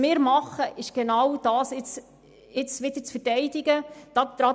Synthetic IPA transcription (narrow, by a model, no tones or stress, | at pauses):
mɪːɾmɑχəʔɪʃɡ̥enɑwd̥ɑːsɪt͡s | ɪt͡sʋɪd̪əɾt͡sfəɾtɛɪdɪɡəd̥ɑt̪ɾɑ